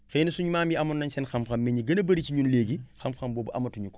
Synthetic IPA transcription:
xenisuɲumaːmiɐmɐnːɐɲsɛnxɐmxɐmːeɲiɡɐnɐbɐɾit͡ʃiɲunleːɡixɐmxɐmbɔːbɐʔɐ̰mɐtuɲukɔ̥

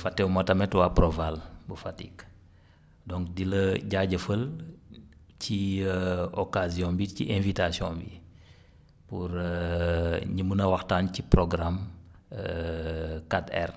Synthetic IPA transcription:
fatːɛwmɐtɐmɛtwapɾɔvalbəfatḭk | dɔŋkdiləɟaɟəfəl | ci | ɔkaziɔ̃mbicḭʔẽnvitasiɔ̃mbḭ | puɾə | ɲimənɐwɐxtaːncipɾɔɡɾamə | katɛ̰r

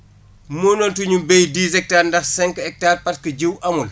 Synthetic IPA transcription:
muːnɔːntuɲubejdiːzɛk̚taːɾndɐxsɛŋkɛk̚taːrpɐtkəɟiwʔɐmul

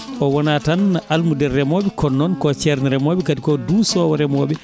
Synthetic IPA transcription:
ʔɔwɔnatanːaʔalmudɛrːɛmoːɓɛkʰɔnːɔnkɔt͡ʃɛɾniɾɛmoːɓɛkatikɔdusɔːwɔɾɛmoːɓɛ

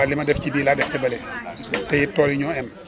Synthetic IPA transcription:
alimɐdɛfcibiːladɛfcɐbɐlɛtɛjitːɔːliɲɔːɛn

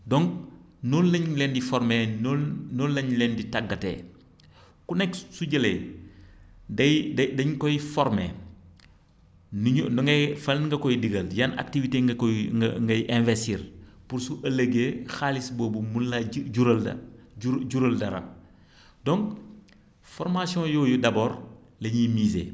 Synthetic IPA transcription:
dɔŋ | nɔlːɐɲlɛndifɔɾmenɔnɔlːɐɲlɛːnditaɡːɐtḛ | kunɛksuɟɐlḛj | dɐjdɐdɐɲkɔjfɔɾmeː | nunŋɡɐjfɐlnŋɡɐkɔjdiɡɐljana̰ktiviteːŋɡɐŋɡɐjʔɛ̃vɛstiːɾpuɾsuʔɐlɐɡeːxaːlisboːbumunlaɟuɾɐl̰uɟuɾɐldɐɾɐ̰ | dɔŋɡ | fɔɾmasiɔ̃jɔːjudɐboːɾ | lɐɲimiːzḛ

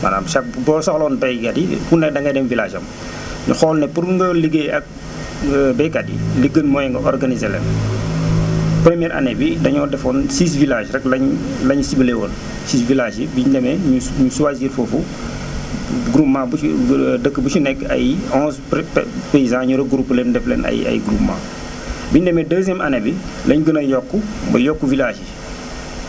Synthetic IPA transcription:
ma̰da̰ːmʃak̚bɔsɐxlɔːnbɛjkadḭfunɛk̚dɐŋɡɐjdɛmvilaːʃɐ̰m | ɲṵxɔːlnɛpuɾuŋɡɐliɡeɐk̚ | bɛjkadḭliɡənmɔːjɛŋɡɐʔɔrɡanizɛlɛ̰n | pɾəmjɛːɾʔɐ̰nɛbidɐɲɔːdɛfɔnsis̬vilaːʃrɛklɐɲ | lɐɲsibəlɛwɔn | siːsvilaːʒibiɲdɛmɛɲuɲusuwaziːɾfofu | ɡɾupmãːbudəkːəbusunɛkːɐ̰jɔ̃ːspeizãɲuɾɐɡuɾupːlɛndɛflɛ̰ːnɐ̰jɐ̰jɡɾupmã̰ː | biɲdɛmɛdəːzjɛmʔɐnɛbilɐɲuɡənɐjɔkːubɐ̰jɔkːuvilaːʃi

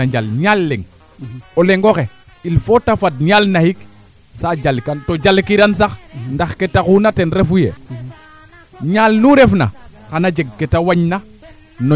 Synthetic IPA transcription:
aɲd͡ʒalɲalːeŋ | oleŋɡoxe | ilfotafadɲalnahik | sad͡ʒalkantod͡ʒalkiɾans̬axndaxketakunatenɾefujḛ | ɲalnuɾefna̰xanad͡ʒeɡ̚ketawaɲna | no

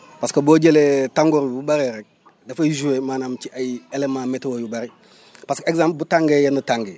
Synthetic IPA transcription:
paskaboɟeletaŋɡoɾbubaɾeɾek̚ | dafajzuwemaːnamt͡ʃiajielemãmetwojubaɾi | paskeɡzãmp̚butaŋɡejandutaŋɡe

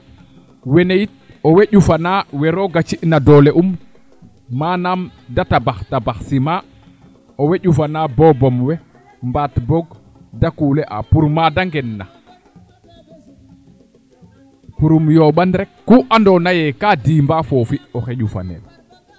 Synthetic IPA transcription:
wɛnejit̚ | ɔweʄufanawɛɾɔɡat͡ʃiʔnadɔlɛʔumː | aːnamdatabaxtabaxsima | ɔweʄufanabɔbɔmwɛ | mbatbɔɡ | dakuːlɛʔa̰puɾmadaŋɡɛnːa | puɾumjɔɓanɾɛkːuʔandɔnajɛkadiːmbafɔfiɔxɛʄufa̰nɛ̰l

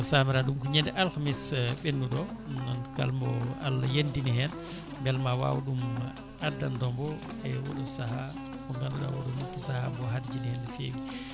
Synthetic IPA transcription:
samiɾaɗumkuɲɛndɛʔalkamisɓenːuɗɔnɔnka̰lmɔa̰lːajendinihɛn | mbɛlmawa̰wɗumːa | adːandɔmbɔ | ɛwɔ̰ɗusaɦa | kumɡanduɗa̰wɔɗumukusahambɔɦadd͡ʒinihɛnfeɡi

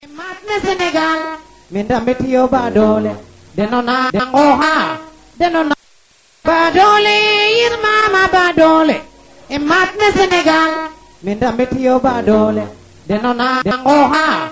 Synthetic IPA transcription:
ɪmat̪̚mɛsɪnɛɡal | mɪndamɪtɪobadole | dɛnɔnadaŋɡɔɦan | dɛnɔn | badolejɪɾmamabadole | ɪmat̪̚nɛsɪnɛɡal | mɪndamɪtɪobadole | dɛnɔnadaŋɡɔɦa

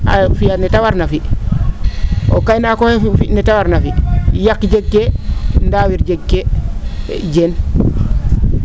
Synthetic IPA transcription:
afijanɛtawaɾnafi | o̰kajnakohefinɛtawaɾnafijakːid͡ʒekːendaːwiɾd͡ʒekːe | d͡ʒeːn

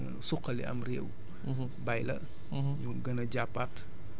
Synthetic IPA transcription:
sukːɐlḭɐ̰mrḛːw | bɐjlɐ̰ | ɲuɡɐnɐɟapːat

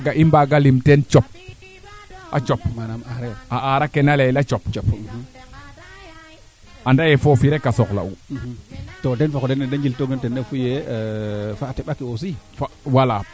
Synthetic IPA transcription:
ɡaʔimbaɡalimtent͡ʃɔp̚ | ʔa̰t͡ʃopmanamaɾaʔaɾakenalejlat͡ʃɔp̚t͡ʃ | andajefofiɾekasɔkla̰u | todenfakodenːedaɲd͡ʒiltoɡentenːefuje | fatɛɓakiosifawala

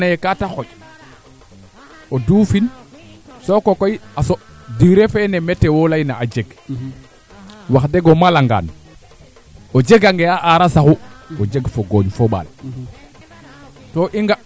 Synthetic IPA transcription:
najekataxoj | odufin | sokokojasodiɾefenemɛtːewolajnaad͡ʒeɡ | waxdeɡomalaŋɡa̰ːn | od͡ʒeɡaŋɡeaʔaɾasaxuod͡ʒeɡfoɡoɲfoɓa̰ːl | toʔiŋɡa

